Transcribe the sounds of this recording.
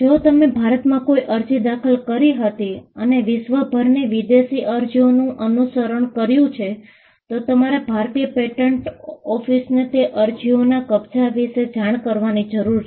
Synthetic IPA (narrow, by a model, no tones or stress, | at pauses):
d͡ʒot̪əmebʱaɾət̪mãkoiʔəɾd͡ʒid̪akʰəlkəɾiɦət̪iəneʋɪʃʋəbʱəɾneʋid̪eʃiʔəɾd͡ʒionũʔənusəɾəɳ̃kəɾjũt͡ʃʰe | t̪ot̪əmaɾebʱaɾt̪iəpeʈəɳʈɔfisnet̪eʔəɾd͡ʒionakəbt͡ʃaʋiʃed͡ʒaɽ̃kəɾʋanid͡ʒəɾuɾ